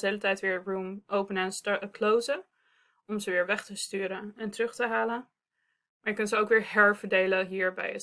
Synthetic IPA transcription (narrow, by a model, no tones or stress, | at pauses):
ejlətɛjtʋɪːɹɹumʔowpənɛnstəklowzə | ɔmzəʋɪːɹʋɛχtəstyːɾənɛntərɵχtəɦaːlən | maːɹjəkɵntzəowkʋɪːɹɦɛɹvəɹdejləɦiːɹbɛ̰j